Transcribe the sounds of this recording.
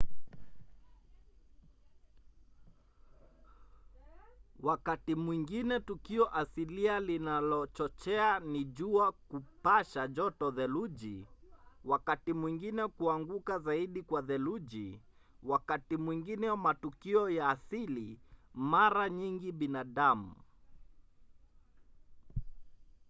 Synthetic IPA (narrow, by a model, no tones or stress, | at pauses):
wakatimwiŋɡinɛtukiɔʔasilialinalɔt͡ʃɔt͡ʃɛaniʄuakupaʃaʄɔtɔðɛluʄi | wakatimwiŋɡinɛkuaŋɡukazaiɗikwaðɛluʄi | wakatimwiŋɡinɛwamatukiɔjaːsilimaɾaɲiŋɡiɓinaɗamṵ